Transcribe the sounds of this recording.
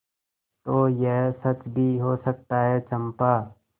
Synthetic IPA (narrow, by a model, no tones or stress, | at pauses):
t̪oːjɛɦsɐt͡ʃbʱiɦosɐk̚t̪aɦɛt͡ʃɐ̃mpaː